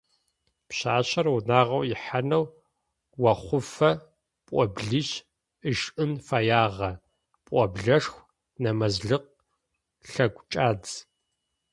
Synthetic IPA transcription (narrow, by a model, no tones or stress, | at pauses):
pɕaːɕɐrwunaːʁɐwjɪħanɐw | wɐχʷʊfɐ | pʷʼɔbɮiɕ | ɨʃɨnfaːjaːʁɐ | pʼɔbɮɐʂxʷ | nɐmɐzɮɨq̚ | ɬɐɡʷt͡ʃʼaːd͡z